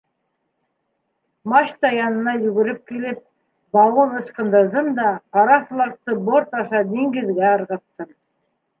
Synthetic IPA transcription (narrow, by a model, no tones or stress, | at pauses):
mɑɕt̪ɑjɑnɤ̆nɑjɵ̆ɡɘ̆ɾɘp̚kilɘp̚ | bɑwɤðɤ̆ʃqɤ̆nd̪ɤ̆ɾðɤmd̪ɑqɑɾɑflˠɑk̚t̪ɤboɾt̪ɑʃɑd̪iŋɡɘ̆ðɡæɤ̆ɾʁɑ̆t̪ːɤm